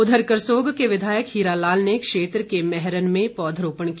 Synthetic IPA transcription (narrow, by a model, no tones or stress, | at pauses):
ʊd̪ʱəɾkəɾsoːɡkeʋɪd̪ʱaːjəkɦiːɾalaːlnekʃeːt̪ɾəkemɛɦɾənmẽpɔːd̪ʱɾoːpəɳ̃ki